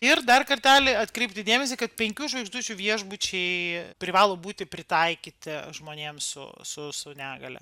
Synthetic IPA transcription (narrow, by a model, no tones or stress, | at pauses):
ɪrd̪ɐrkɐɾʲt̪ʲæːlʲɪɐt̪kɾʲɛɪpt̪ʲɪd̪ʲeːmʲɛs̬ʲɪkɐt̪̚pʲɛŋʲkʲuːʒʋɐɪɡʒd̪uːt͡ʃʲuʋʲiɛʒbut͡ʃʲɛɪpʲɾʲɪʋɑːlˠoːbuːt̪ʲɪpʲɾʲɪt̪ɐɪkʲiːt̪ʲɪʒmoːnʲeːmsʊ̰sʊsɐʊnʲæːɡɐlʲɛ̰